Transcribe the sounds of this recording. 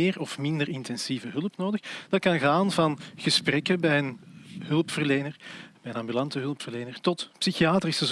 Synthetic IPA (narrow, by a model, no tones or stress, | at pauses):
ɪːrɔfmɪndərɪntɛnsiːvəɦɵlˠəpnoːdəxd̥ɑt̚kɑnɣaːnvɑnɣəsprɛkəbɛjənɦɵlˠpfərleːnərbɛjənɑmbylɑntəɦɵlˠpfərleːnərtɔtpsixiaːtrisəz